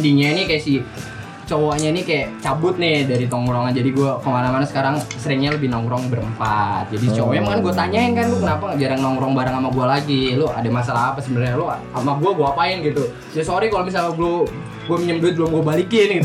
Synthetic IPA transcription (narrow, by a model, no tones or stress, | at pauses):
diŋanikajasi | t͡ʃowaɲanikajat͡ʃabʊt̪̚nɪdaɾit̪ɔŋɾɔŋand͡ʒadiɡuakəmanamanasə̥kaɾaŋsəɾɪŋɲaləbɪhnɔŋɾɔŋbəɾəmpat̪̚d͡ʒadit͡ʃowɔamkanɡuat̪aɲaɪnkanlʊkənapaŋad͡ʒaɾaŋnɔŋɾɔŋbaɾaŋamaɡualaɡilʊa̰damasalaɦapasənarɲalʊ | amaɡuaɡuaapaɪnɡit̪u | sajasoɾikalomis̬alaɡulo | ɡuaməɲəmbʊt̪̚ɡəlʊmɡuabalikɪnɡit̪